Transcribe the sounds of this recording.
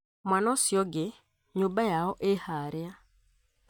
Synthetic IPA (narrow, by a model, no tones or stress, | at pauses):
mwanɔsjɔɡɪ | ɲobajaɔʔehaɾea